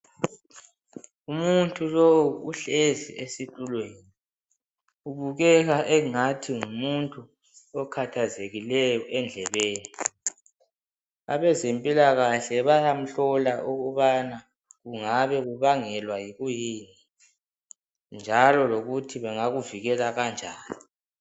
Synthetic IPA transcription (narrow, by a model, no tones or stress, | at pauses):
umuntʼulowuuɬezḭesitʼulweːni | uβuɣɛɣaʔɛŋatʰiŋumuntʼu | ɔkʰatʰazeɣilɛjɔʔɛnd͡ɮʱɛβeːni | a̰βɛzempʼilaɣaɬɛβajam̩ɬɔlaʔuɣuβana | ɣuŋaβɛɣuβaŋɛlwajiɣujiːni | nd͡ʒʱalɔloɣutʰiβɛŋaɣuviɣɛlaɣand͡ʒʱaːnii